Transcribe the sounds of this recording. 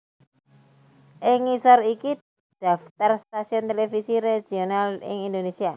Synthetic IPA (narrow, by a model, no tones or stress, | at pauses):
ʔɪŋisɔriki | d̥a̤ft̪arst̪asiɔnt̪elefisiɾed͡ʒ̥i̤onalɪ̰ŋind̪onesia